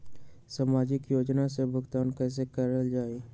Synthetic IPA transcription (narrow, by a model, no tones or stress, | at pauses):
saːmaːd͡ʒɪkjoːd͡ʒnasebʱʊɡt̪aːnkɛːs̬ekəɾəld͡ʒaːeː